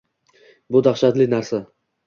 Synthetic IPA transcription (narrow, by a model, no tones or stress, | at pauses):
bʊd̪aχʃat̪lɪnaɾsa